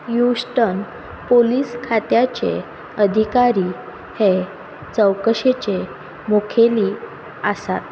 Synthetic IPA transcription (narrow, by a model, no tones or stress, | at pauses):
jusʈən | poliːskʰat̪jat͡ɕḛ | əd̪ʱikaɾiː | he | t͡səwkəɕet͡ɕe | mukʰeliː | əsa̰t̪̚